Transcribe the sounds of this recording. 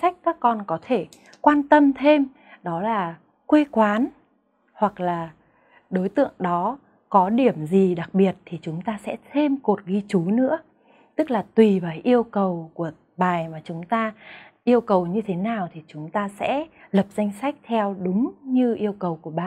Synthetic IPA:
sa˦˥k̟̚kaː˦˥kːɔ˧nkɔ˨˦t̪ʰe˧˩ | kwaː˧nt̪ə˧mt̪ʰe˧m | ɗɔ˨˦laː˨˩ | kwe˧kwaː˨˦n | hwa˨˩k̚laː˨˩ | ɗo˨˦jt̪ɨ̰˧˨əŋɗɔ˨˦ | kɔ˨˦ɗi˧˩əmzi˨˩ɗa˨˩k̚ɓi˨˩ət̚t̪ʰi˨˩t͡ɕʊ˨˦ŋ͡mt̪aː˧sɛ̰˧˥t̪ʰe˧mko˨˩t̚ɣi˧t͡ɕu˨˦nɨ̰˧˥ə | t̪ɨ˦˥k̚laː˨˩t̪wi˨˩vaː˨˩jʔi˧əwkə˨˩wku˧˩ə | ɓaː˨˩jmaː˨˩t͡ɕʊ˨˦ŋ͡mt̪aː˧ | ʔi˧əwkə˨˩wɲɨ˧t̪ʰe˨˦naː˨˩wt̪ʰi˨˩t͡ɕʊ˨˦ŋ͡mt̪aː˧sɛ̰˧˥lə˨˩p̚za˧jŋ̟sa˦˥jk̟̚t̪ʰɛ˧wɗʊ˨˦ŋ͡mɲɨ˧ʔi˧əwkə˨˩wku˧˩əɓaː˨˩

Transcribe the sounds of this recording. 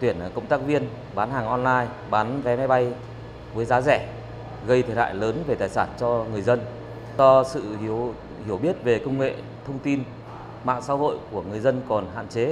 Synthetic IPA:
t̪wi˧˩ən˨˩kə˧wŋ͡mt̪aː˦˥k̚vi˧ən | ɓaː˨˦nɦaː˨˩ŋʔɔ˧nlaː˧j | ɓaː˨˦nvɛ˨˦ma˨˧jɓa˧j | vəː˨˦jzaː˨˦zɛ˧˩ | ɣə˧jt̪ʰe˧˩ha̰ː˧˨jləː˨˦nve˨˩t̪aː˨˩jsaː˧˩nt͡ɕɔ˧ŋɨ˨˩əjzə˧n | zɔ˧sɨ̰˧˨hi˨˩əw | hi˧˩əwɓi˦˥ət̚ve˨˩kə˧wŋ͡mŋḛ˧˨ | t̪ʰə˧wŋ͡mt̪i˧n | ma̰ː˧˨ŋsaː˨˦ho̰˧˨jku˧˩əŋɨ˨˩əjzə˧nkɔ˨˩nɦa̰ː˧˨nt͡ɕe˨˦

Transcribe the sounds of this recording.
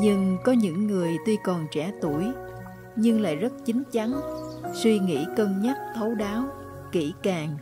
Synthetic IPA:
ɲɨ˧ŋkɔ˨˦ɲɨ̰˧˥ŋːɨ˨˩əjt̪wi˧kɔ˨˩nt͡ɕɛ˧˩t̪u˧˩əj | ɲɨ˧ŋla̰ː˧˨jzə˦˥t̚t͡ɕï˨˦ŋ̟t͡ɕa˨˦nswi˧ŋḭ˧˥kə˧nɲə˦˥t̚t̪ʰə˨˦wɗaː˨˦w | kḭ˧˩kaː˨˩ŋ

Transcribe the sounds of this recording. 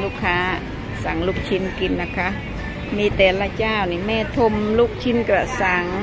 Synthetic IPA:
luː˧kʰːaː˧˥ | sa˨˩˦ŋluː˧˩k̚t͡ɕʰi˧˥nki˨nːa˧˩kʰa˧˥ | miː˧˥˨t̪ɛː˨˩la˧t͡ɕaː˧˩˨wniː˧˨mɛː˧˥˨t̪ʰo˧˨mluː˧˩k̚t͡ɕʰi˧˥nka˧˩sa˨˦ŋ

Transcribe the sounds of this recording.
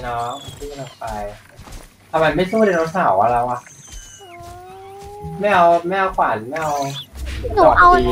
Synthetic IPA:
nɔ˦˥ma˧nsʰu˦˥˩a˧nʔa˨˩pa˧j̪ | a˧˩ma˧nma˥˩jsu˥˩˨de˧nɾo˦˥t̪̚sʰaː˨˩˦wʔa˧ɾa˧wʔa˨˩˧ | ma˥˩jʔa˧wma˥˩jʔa˧wkʰwaː˨˩˦n˨˦ma˥˩jʔa˧w | nuː˨˦˩ʔa˧w

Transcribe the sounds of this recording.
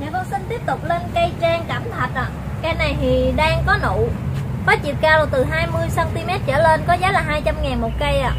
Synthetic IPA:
ɲaː˨˩kɔ˧ŋsï˧ŋ̟t̪i˦˥əp̚t̪ʊ˨˩k͡p̚le˧nkə˧jt͡ɕaː˧ŋka˧˩mt̪ʰa˨˩t̚ʔa̰ː˧˨ | ka˧jna˨˩jt̪ʰi˨˩ɗaː˧ŋkɔ˨˦nṵ˧˨faː˨˦t͡ɕi˨˩p̚kaː˧lɔ˨˩t̪ɨ˨˩ɦaː˧jmɨ˧əjsaː˧nt̪i˧mɛ˦˥t̚t͡ɕəː˧˩le˧nkɔ˨˦zaː˨˦laː˨˩ɦaː˧jt͡ɕa˧mŋaː˨˩nmo˨˩t̚kə˧jʔaː˧˨

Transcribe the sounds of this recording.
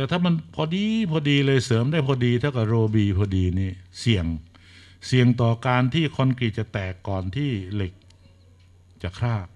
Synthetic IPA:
t̪ɛ˨˩t̪ʰaː˥˩ma˧npʰɔː˧diː˧pʰɔː˧diː˧lɤː˧jsɤː˩˦mdaː˥˩jpʰɔː˧diː˧t̪ʰa˥˩ka˨˩p̚ɾoː˧biː˧pʰɔː˧diː˧niː˦˥˩si˨˩əŋ | si˨˩əŋt̪ɔː˨˩kaː˧nt̪ʰiː˥˩kʰo˧nkɾi˨˩t̪̚t͡ɕa˨˩t̪ɛː˨˩kːɔː˨˩nt̪ʰiː˥˩le˨˩k̚ | t͡ɕa˨˩kʰɾaː˥˩

